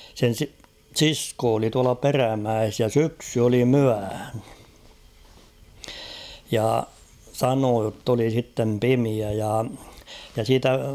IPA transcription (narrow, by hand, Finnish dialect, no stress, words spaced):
sen si siskoː oli tuɑlɑ peræmæes jɑ syksy oli myæhæ̥ jɑ sɑnoː jotː oli sitːem pimiæ jɑ jɑ siːtæ